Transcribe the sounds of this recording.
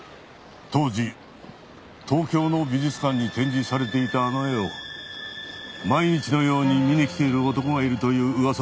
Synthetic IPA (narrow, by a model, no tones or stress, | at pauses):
t̪o̞ːd͡ʑi | t̪ʰo̞ːkʲo̞ːno̞bʲiʑit͡sɨ̥kãɲ̟ːit̪ẽ̞ɲ̟d͡ʑisaɾe̞t̪e̞it̪aːnoe̞o̞ | maiɲ̟it͡ɕino̞jo̞ːɲ̟imʲinekʲi̥t̪e̞iɾɯ̟ot̪o̞ko̞ɡaiɾɯ̟t̪o̞jɯ̟ːɯβas